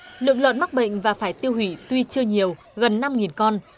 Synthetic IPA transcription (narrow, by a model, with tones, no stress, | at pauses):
lɨ̰˧˨əŋlwə̰˧˨nma˦˥k̚ɓə̰˧˨jŋ̟vaː˨˩faː˧˩jt̪i˧əwhwi˧˩t̪wi˧t͡ɕɨ˧əɲi˨˩əw | ɣə˨˩nːa˧mŋi˨˩nkɔ˧n